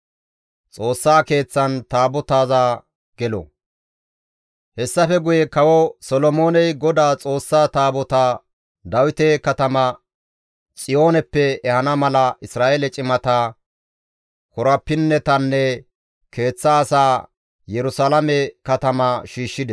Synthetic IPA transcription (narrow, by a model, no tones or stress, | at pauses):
t͡sʼo̞ːsːaːke̞ːt͡sːɐnt̪aːbɔt̪aːzaː | ɡ̥ɛlɔ̰ | hɛsːɐfɛɡʊjɛkɐwɔsɔlɔmoːnɛjɡɔd̪aːt͡sʼo̞ːsːaːt̪aːbɔt̪a | d̪ɐwɪt̪ɛkɐt̪ɐmɐ | t͡sʼɪjo̞ːnɛpːɛːhɐnɐmɐlɐʔɪsɾaːʔeːlɛt͡ʃʼɪmɐt̪aː | kɔɾɐpːɪnːɛt̪ɐnːɛ | kʰe̞ːt͡sːaːsaː | jɛɾʊsalɐmɛkɐt̪ɐmɐʃiːʃːɪd̪ɛ